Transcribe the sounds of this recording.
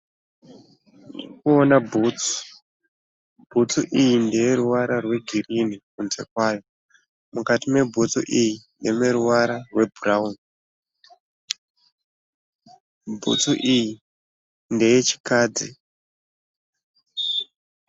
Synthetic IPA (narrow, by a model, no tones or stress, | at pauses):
ikuonabʱut͡su̥ | bʱut͡suʔijindeje̞ɾuwaɾarwe̞ɡʱirinikunze̞̰kwaːjo̞ | mukatime̞bʱut͡sṵʔijindemeɾuwaɾarwe̞bʱuraun | bʱṵt͡suʔiji | nde̞jet͡ʃi̥kaːd͡zi